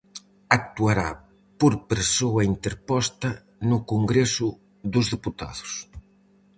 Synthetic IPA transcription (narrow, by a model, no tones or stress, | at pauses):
ak̚t̪uaɾa̰ | poɾpeɾsoɐint̪eɾpɔst̪ɐ | nʊkoŋɡɾɛsʊ | ðʊzðeput̪a̰ðʊs